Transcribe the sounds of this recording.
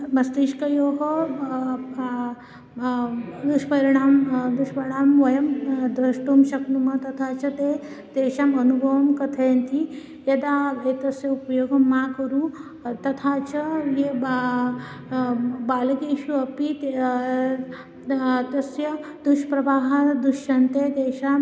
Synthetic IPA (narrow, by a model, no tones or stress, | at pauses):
mɐst̪iːʃkɐjoːɦɐ | d̪uʃpɐɾiɳ̃aːmd̪uʃpɐɾiɳaːmʋɐjɐmd̪ɾɐʂʈumʃɐknumɐt̪ɐt̪ʰaːt͡ʃɐt̪eː | d̪̥eːʃaːmɐnubʱɐʋɐmkɐt̪ʰeːnt̪i | jɐd̪aːet̪ɐsjɐupjoːɡɐmːakəɾuː | t̪ɐt̪ʰaːt͡ɕɐje | baːlɐkeʃuɐpit̪ | t̪ɐsjɐd̪uʃpɾɐbaːɦɐd̪uʃɐnt̪ed̪eːʃam